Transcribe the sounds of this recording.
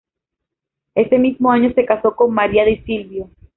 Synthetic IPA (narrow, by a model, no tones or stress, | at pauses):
e̞se̞mizmo̞aɲo̞se̞kaso̞ko̞nmaɾiaðesilβjo